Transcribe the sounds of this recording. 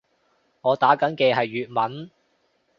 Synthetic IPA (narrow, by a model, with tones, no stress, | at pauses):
ŋɔː˨˧t̪aː˨˥kɐ˨˥nkɛː˧ɦɐ˨jːyː˨t̚mɐ˨˥n